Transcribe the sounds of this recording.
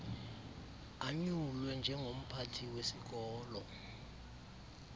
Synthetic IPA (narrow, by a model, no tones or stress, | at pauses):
aɲulwɛnd͡ʒʱɛŋʱom̩pʰatʰiwesik̬ɔːlɔ